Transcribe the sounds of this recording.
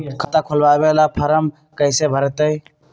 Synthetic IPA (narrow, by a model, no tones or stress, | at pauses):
kʰət̪akʰolbabelapʰəɾəm | kəɪsebʱəɾt̪əj